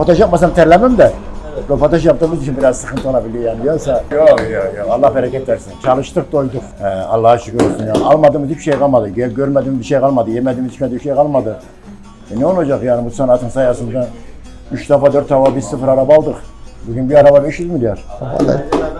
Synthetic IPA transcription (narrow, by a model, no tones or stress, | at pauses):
pʰat̪ʰaʃjap̚mas̬amt̪ʰɛɾlʲæmimd̪ɛ | bɛpʰat̪ʰaʃjap̚t̪ɯmɯzit͡ʃʰinbiɾazsɯxɯnt̪ʰɯolˠabilʲijaːnid̪ijasajojojoalˠːahbɛɾakʲɛt̪ːæɾsint͡ʃʰalˠɯʃt̪ɯk̚d̪ojd̪uqhɛɑ̰lˠːahaʃukøɾoɾsynjaːnalˠmad̪ɯmɯt̪ipʃejkʰalˠmad̪ɯɟeɟøɾmɛd̪imbiʃejkʰalˠmad̪ɯjɛmɛd̪imd̪iʃmɛd̪ibʃejkalˠmad̪ɯ | ɛnɛolˠad͡ʒakjaːnibusanat̪ɯnsajasɯnsan | yʃd̪afad̪øɾt̪ʰːavabizsɯfɯɾaɾabaːlˠd̪ɯχbyɡʲynbiaɾababeʃilʲmid̪ijaɾa̰la̰